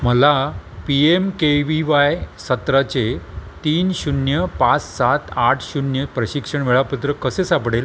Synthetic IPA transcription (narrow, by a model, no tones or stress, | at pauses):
məlapiemkeʋiʋajsət̪ɾat͡ɕet̪iːnɕunjəpat͡ssat̪ʰaʈʰɕunjəpɾəɕikʂəɳʋeɭaput̪ɾəkəsesapɽel